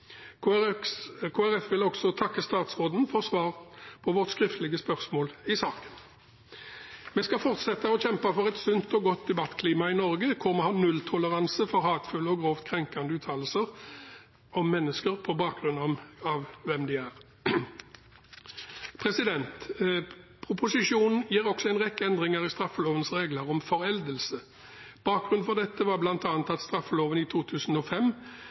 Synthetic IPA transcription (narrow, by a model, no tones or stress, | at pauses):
kʰoːæʁɛfʋɪlɔɡ̥sɔt̪ʰɑkːəst̪ɑːt̪sʁoːd̪n̩fɔʁsʋɑːʁpʰɔʋɔʁt̪skʁɪft̪əlɪɡəspœʁsmoːlɪsɑːkə̥n | meːskɑfɔʁt̪sɛt̪əɔçɛmpɑfɔʁɛt̪sʉnt̪ɔɡɔt̪̚d̪ɛbɑt̪ːkʰliːmɑɪnɔʁɡəkʰʊʁmɛhɑːnʉlt̪ʰʊləʁɑnsəfɔʁhɑːt̪fʉlɔɡʁoːft̪kʰʁɛŋkɑnd̪əʉːt̪ʰɑːll̩səʁ | ɔmːɛnːəskəʁpʰɔbɑːk̚ɡʁʉnːɔmɑʋʋɛmd̪ɪæʁ | pʰʁɛsɪd̪ɛnt̪ | pʰʁʊpʊsɪʂuːnn̩jiːʁɔksɔɛɪnʁɛkːəɛnd̪ʁɪŋəʁɪst̪ʁɑfːəloːʋənsʁeːɡləʁɔmfɔʁɛld̪əlsə | b̥ɑːk̚ɡʁʉnfɔʁd̪ɛt̪ːəʋɑblɑnt̪ɑːnt̪ɑt̪st̪ʁɑfːəloːʋəniːt̪ʰuːt̪ʰʉːsn̩ɔfɛm